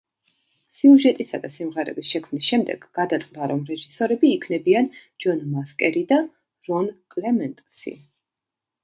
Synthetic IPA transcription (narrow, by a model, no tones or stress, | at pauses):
siuʒɛt̪ʼisad̪asimʁɛɾɛ̰bisʃɛkʰmnisʃɛmd̪ɛ̰ɡ̥ɡad̪at̪sʼd̪aɾɔmɾɛʒisɔɾɛbiːkʰnɛbiand͡ʒɔnmaskʼɛɾid̪a | ɾɔnkʼlɛmɛnt̪ʼsḭ